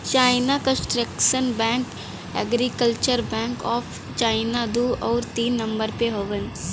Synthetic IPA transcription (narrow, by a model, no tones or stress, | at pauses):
t͡ʃaːɪnakə̃sʈɾekʃənbɛ̃ːŋk | ɛ̰ːɡɾikəlt͡ʃəɾbɛ̃ːŋkɔːpʰ | t͡ʃaːɪnad̪uːʔɔːɾt̪iːnːɐ̃mbəɾpeɦoʋən